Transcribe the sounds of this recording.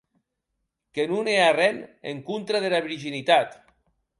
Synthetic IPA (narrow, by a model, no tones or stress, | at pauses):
kenunearɛnḛŋkunt̪ɾað̞elaβiɾʒinit̪at̪